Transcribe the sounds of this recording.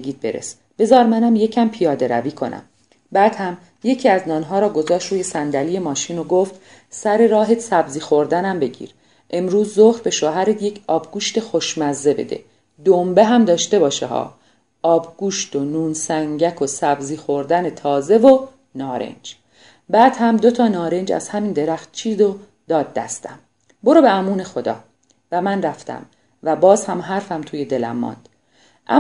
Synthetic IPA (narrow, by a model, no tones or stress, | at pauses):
iːd̪̚beɾḛs | b̥e̞zɒːɾmænæmje̞cʰæmpʰijɒːd̪e̞ɾæ̰viːkʰo̞̰nʔæ̰m | bæːd̪̥hæm | je̞cʰiːæznɒːnɦɒːɾɒːɡo̞zɒːʃt̪ɾuːjesænd̪æliːje̞mɒːʃiːnoɡoft̪ | sæɾe̞ɾɒːɦesæbziːxo̞ɾd̪ænæmbe̞ɟḭːɾ | ʔe̞mɾuːzːoxɾbe̞ʃoɦæɾed̪je̞cʰɒːbɡ̥uːʃt̪e̞xo̞ʃmæzːe̞be̞̰d̪e̞̰ | d̪ombeɦæmd̪ɒːʃt̪e̞bɒːʃḛhɒ̰ː | ɒːbɡ̥uːʃt̪o̞nuːnsæŋɟækʰosæbziːxo̞ɾd̪æne̞t̪ʰɒːze̞vo | nɒːɾḛnd͡ʒ | bæːd̪̥hæmd̪ot̪ʰɒːnɒːɾe̞nd͡ʒæ̰z̥hæmiːnd̪e̞ɾæxt̪̚t͡ʃʰiːd̪o̞ | d̪̥ɒːd̪̚ːæ̰st̪æm | bo̞ɾobeæmuːne̞xo̞d̪ɒ̰ː | væmænræft̪ʰæ̰m | væbɒːzhæmɦæɾfæmt̪ʰuːje̞d̪e̞læ̰mːɒ̰ːnd̪̥ | ʔæ